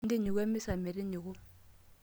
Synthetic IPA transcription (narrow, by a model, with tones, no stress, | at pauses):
n̩˦dɪ˦ɲɪ˨kwɛ˦mɪ˦sa˨mɪ˨ɾɪ˦ɲɪ˨ɣʊ˦